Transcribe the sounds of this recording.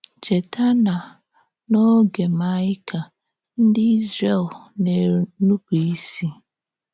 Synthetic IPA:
t͡ʃe˨tʰa˦na˨ | no˦ɡe˨ma˦ɪ˦kʰa˨ | n̩˦dɪ˦i˦zɾe˨lne˨nu˦ki˨i˦si˦

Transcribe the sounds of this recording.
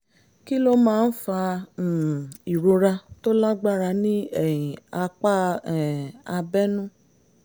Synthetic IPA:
ki˦lo˦mãː˦˧˦n̩˦fã˧˨ | i˨ɾo˧ɾa˧to˦la˦ɡ͡ba˦ɾa˧nĩ˦ɛ˦˨ĩ˨a˧k͡pa˦ɛ˨a˧bɛ˦nũ˦

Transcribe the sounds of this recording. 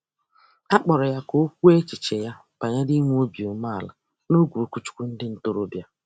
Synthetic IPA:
a˦k͡pɔ˨ɾɔ˨ja˦ko˦kʷu˦e˦t͡ʃi˨t͡ʃe˨ja˦ | b̥a˨ɲa˦di˦ŋʷ˦o˦bi˨o˨ma˦˨a˨la̰˨ | no˦ɡʷu˨ɾu˨kʷu˦˨t͡ʃu̥˦kʷu˦n̩˦dɪ˦n̩˨to˦ɾo˦bja˦

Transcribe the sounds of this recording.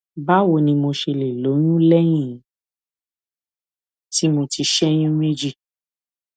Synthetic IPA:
ba˦wo˧˨nĩ˧mo˧ʃe˧le˨lo˨˦j̃ũ˦lɛ˦j̃ĩ˦˨˦ | ti˦mo˧ti˧ʃɛ˦j̃ũ˦me˦d͡ʒi˦˨

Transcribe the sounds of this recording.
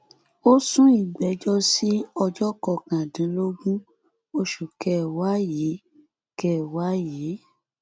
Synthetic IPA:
o˦sũ˦i˨ɡ͡bɛ˨˦d͡ʒɔ˦si˦ɔ˧d͡ʒɔ˦kɔ˧˨kã˨dĩ˨˦lo˦ɡũ˦ | o˦ʃu˨kɛ˦wa˨˦je˨˦ | kɛ˦˨wa˨˦je˨˦

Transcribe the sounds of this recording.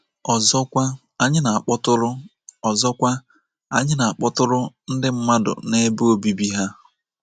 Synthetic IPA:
ɔ˨zɔ˦kʷa˦ | a˦ɲɪ˦na˨a˨k͡pɔ˦tʊ˦ɾʊ˦ | ɔ˨zɔ˦kʷa˦ | a̰˦ɲɪ˦na˨a˨k͡pɔ˦tʊ˦ɾʊ˦n̩˦dɪ˦m̩˦ma˦dʊ̰˨ne˦bo˦bi˦bi˦ɦa˦

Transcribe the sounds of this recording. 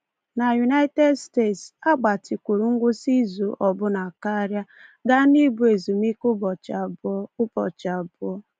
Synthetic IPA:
na˨ju˨na˦ɪ˦te˦dste˦˨tsa˦ɡ͡ba˨tʰi˨kʷu˨ɾu˨ŋ̩˦ɡʷʊ˦si˦zu˨ʔɔ˨bʊ˦na˨ka˦ɾja˦ɡa˦ni˦bu˨e˨zu˨mi˦kʊ˦bɔ˨t͡ʃa˨bɔ˦ʊ˦pɔ˨t͡ʃa˨bʊ˦ɔ˦

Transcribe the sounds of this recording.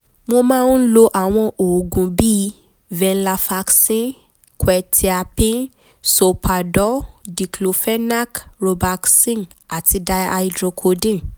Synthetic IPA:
mo˧mãː˦˧˦n̩˦lo˧ʔa˨w̃ɔ̃˧ʔo˨ɡũ˨bi˦ | vɛ̃˧n̩˦la˧fa˧ksĩ˦ | kwɛ˨tʰi˧a˧pĩ˦ | so˨pʰa˨dɔ˨˦di˨klo˨fɛ˦na˦kɾo˧ba˧ksĩ˦n | a˨ti˧da˧a˧i˧dɾo˧kʰo˧dĩ˦˨

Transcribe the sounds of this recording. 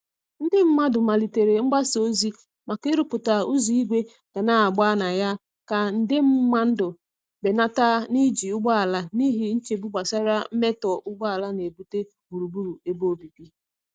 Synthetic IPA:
n̩˦dɪ˦m̩˦ma˦dʊ˨ma˨li˨te˨ɾe˨ŋ͡m̩˦ɡ͡ba˦so˦zi˦ | ma˨ke˦ɾu˦pʊ˨ta˨ʊ˦zi˦i˦ɡʷe˦ | ɡ̥a˨na˦a˨ɡ͡ba˦na˨ja˦ | ka˨n̩˨dɪ˦m̩˦ma˦n̩˦dʊ˨ | be˨na˦ta˦ni˦d͡ʒi˨ʊ˦ɡ͡ba˦a˨la˦ni˦ɦi˦n̩˦t͡ʃe˨bu˦ɡ͡ba˨sa˦ɾa˦m̩˦me˦tɔ˨ʔʊ˦ɡ͡ba˦a˨la˦ne˨bu˦te˦ | bu˨ɾu˨bu˦ɾu˨e˦bo˦˨bi˨pi˦

